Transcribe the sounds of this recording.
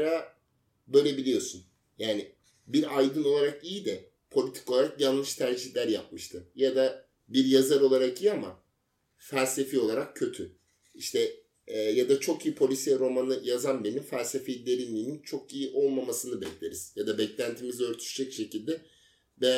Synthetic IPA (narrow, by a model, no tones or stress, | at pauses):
ɾa | bø̞ːlʲebilʲijo̞sun | jaːnɪ | biɾajd̪ɯno̞lˠaɾakijid̪ɛ | pʰo̞lʲit̪ʰi̥ko̞lˠaɾakjanˠlˠɯʃt̪ʰæɾd͡ʒiçlʲæɾjap̚mɯʃt̪ʰɯjad̪a | biɾjazaɾo̞lˠaɾakijːama | fælʲse̞fio̞lˠaɾakcːʰø̞t̪ʰy | iʃt̪ʰɛː | jad̪at͡ʃʰo̞kijipʰo̞lʲisɛɾo̞manɯjazanbenimfælʲse̞fejd̪ʲeɾinʲiːnint͡ʃʰo̞kijiʔo̞lˠmamasɯnɯbɛclʲe̞ɾiz̥jad̪abɛclʲænt̪ʰiːmizø̞ɾt̪ʰy̥ʃd͡ʒɛcʃe̞cilʲd̪ɛ | bɛ